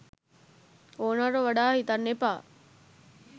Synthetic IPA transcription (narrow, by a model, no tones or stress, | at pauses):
oːnaɾuʋaɖaːɦit̪ɐnːepaː